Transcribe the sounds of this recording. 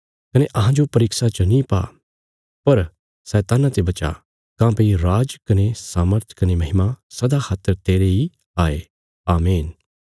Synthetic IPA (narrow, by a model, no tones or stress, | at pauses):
kɐneʔɐɦãd͡ʒopɐɾɪksat͡ʃɐnĩpa̰ː | pɐɾ | sɛːt̪aːnat̪ebɐt͡ʃa̰ | kãːpeiɾaːd͡ʒkɐnesaːməɾt̪ʰkɐnemɐɦɪmasɐd̪akʰaːt̪ːəɾt̪eːɾei | aːe | aːmiːn